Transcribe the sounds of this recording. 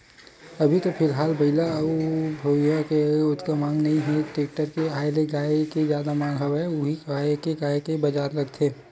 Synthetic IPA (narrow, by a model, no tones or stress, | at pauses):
ɐbʱit̪ofʰɪlɦaːlbɐɪlaubʱowijakeʊt̪kamãːŋɡnɐɦĩɦɛʈeːk̚ʈəɾkeaːjleɡaːekezjaːd̪amãːŋɡɦɐʋɛʊɦiaekeɡaːekebɐd͡ʒaːɾlɐɡt̪ʰeː